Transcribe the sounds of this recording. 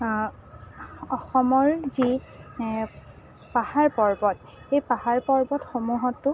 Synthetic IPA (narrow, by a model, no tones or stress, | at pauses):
ɔxɔmɔɹzi | pahaɹpɔɹbɔt | xejpahaɹpɔɹbɔtxomuɦɔtːʊ